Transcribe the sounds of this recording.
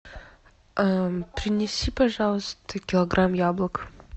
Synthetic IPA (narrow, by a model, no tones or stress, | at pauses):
apɾʲɪnʲɪsʲipɐʐalˠəst̪əkʲɪlˠɐɡɾʔamjablˠək